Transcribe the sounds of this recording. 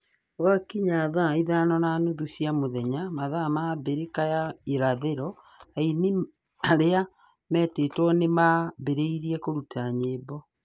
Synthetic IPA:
wakiɲaðaiðaːnɔnaːnoðuɕiamoðɛɲamaðamabeɾekajaeɾaðeɾɔ | aini | aɾea | mɛːtetwɔnemabeɾeiɾiɛkoɾutaɲeːbɔ

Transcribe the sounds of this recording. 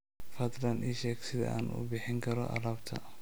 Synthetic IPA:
fɐd̪ɾɐnʔiːʃɛːɡsɪðɐ̰ʔa̰ːnʔṵːbɪħɪŋkʰɐɾɔ̰ʔɐ̰ɾɐːbt̪ʰɐ̰

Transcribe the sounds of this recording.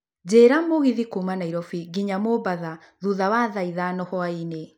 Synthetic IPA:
d͡ʑeɾamoɣiðikumanaiɾɔfiɡiɲamobaða | ðuðawaːðaiðanɔhɔaine

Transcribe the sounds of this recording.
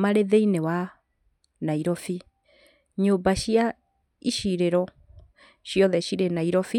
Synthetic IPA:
maɾeðeinewa | naiɾɔfi | ɲoːmbaʃia | iʃiɾeɾɔ | ɕjɔðɛɕiɾenaiɾɔfi

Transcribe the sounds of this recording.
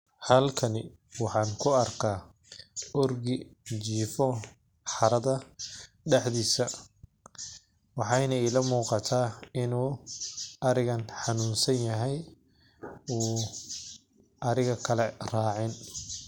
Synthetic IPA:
hɐlkʰɐnɪ | wɑħɑːŋkʰʊɐrkʰaː | ʔɔrɡɪt͡ʃiːfɔ | ħɑɾɐðɐ | ɖɛħðiːsɐ | wɑħɑjnɐɛjlɐmuːqɑt̪ʰaːɪnuː | ʔɐɾɪɣɐnħɑnuːnsɐnjɐɦɛj | uː | ʔɐɾɪɣɐkʰɐlɛraːʕɪn

